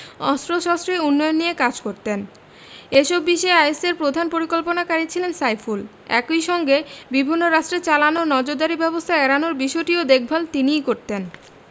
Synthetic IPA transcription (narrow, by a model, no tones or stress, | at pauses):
ɔ̰st̪ɾoʃɔstɾeunːɔjonːijekad͡ʑkoɾt̪en | eʃɔbːiʃɔeajseɾpɾod̪ʱanpoɾikolponakaɾit͡ɕʰilensajful | ɛ̰kojʃɔŋɡebibʱinːoɾaʃʈɾet͡ɕalanonɔd͡ʑoɾd̪aɾibɛbost̪ʰaɛɾanoɾbiʃɔʈiod̪ek̚ʰbʱalt̪inijkoɾt̪en